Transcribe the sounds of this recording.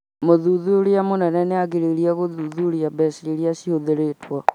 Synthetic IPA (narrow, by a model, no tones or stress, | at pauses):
moðuðuɾeamonɛnɛneaɣeɾeɾiaɣoðuðuɾiabɛsiɾeɾiaɕihoðeɾetwɔ